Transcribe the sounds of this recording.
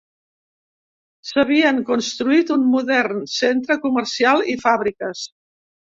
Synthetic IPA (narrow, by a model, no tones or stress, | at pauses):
səβ̞iəŋkunst̪ɾuit̪unmuðɛrnsent̪ɾəkuməɾsialˠifaβɾikəs